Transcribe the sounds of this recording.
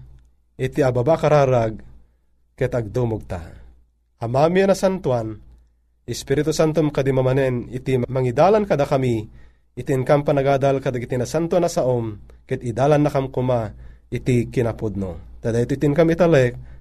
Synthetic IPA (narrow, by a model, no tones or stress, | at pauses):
ʔit̪iababakaɾaːɾaɡ̚ | kɛt̪ɐɡ̚d̪umoɡ̚t̪a̰ | ɐmamianasant̪uan | ɪspiɾit̪usant̪omkad̪imamanɛnit̪immɐŋid̪aːlankɐd̪akamiː | t̪inkampanɐɡaːd̪alkad̪aɡit̪inasant̪uanasaʔomkɛt̪id̪aːlanːakamkumait̪ikinapud̪̚no̰t̪ad̪ait̪oit̪inkamit̪alɛk̚